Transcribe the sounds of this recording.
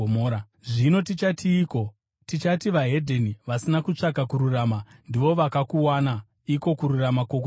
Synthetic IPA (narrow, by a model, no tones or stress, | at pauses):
omoːɾa | ʐino̞tit͡ʃatʰiːko̞ | tit͡ʃatiʋaɦe̞dʱeniʋasinakut͡ʂakakuɾuraːmandiʋo̞ʋakakuwana | iko̞kuɾuramako̞ko